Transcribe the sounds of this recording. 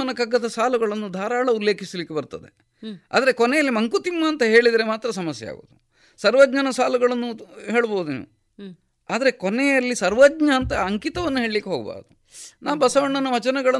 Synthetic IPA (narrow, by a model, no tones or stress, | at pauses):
ɐnːɐkɐɡːɐd̪ɐsaːluɡɐɭɐnːud̪ʱaːɾaːɭɐulːe̞ːkʰisɐlikːebɐɾt̪ɐd̪e̞ | a̰ːd̪ɐɾe̞konɛjɐlːimɐŋkut̪imːɐːnt̪ɐɦe̞ːɭid̪ɐɾemaːt̪ɾɐsɐmɐsjɛ̰ja̰ːɡo̰ːd̪u | sɐɾʋɐd̪ɲɐnɐsaːluɡɐɭɐnːuɦe̞ːɭboːud̪unḛːʋu | aːd̪ɐɾe̞konɛjɐlːisɐɾʋɐdɲɐːnt̪ɐːŋkit̪ɐʋɐnːuɦeːɭlikːeɦoːɡɐ̰ba̰ːɾɐd̪u | naːʋbɐsɐʋɐɳːɐnɐʋɐt͡ʃɐnɐɡɐɭɐ